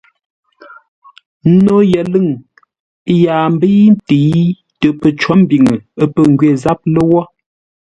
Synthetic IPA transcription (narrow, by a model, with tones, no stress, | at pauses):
n˦no˦jə˨lɨ˦˨ŋ˦ | jaː˨m̩˦bi˦n˦ti˨˦ | tə˨pə˨t͡ʃɔ˨˦m˦bi˨ŋə˨ə˦pə˨ŋɡɥe˦˨za˦p̚lə˦wɔ˦